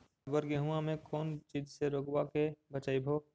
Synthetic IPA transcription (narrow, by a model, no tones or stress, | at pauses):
əɡəɾɡeɦũãmẽkɔːnt͡ʃiːd͡ʒseɾoːɡwakebət͡ʃaːibʱoː